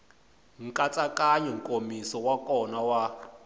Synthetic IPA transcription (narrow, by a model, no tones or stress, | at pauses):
ŋ̩kʼat͡sʼakʼaɲɔŋ̩kʼomisɔwakʼɔnawa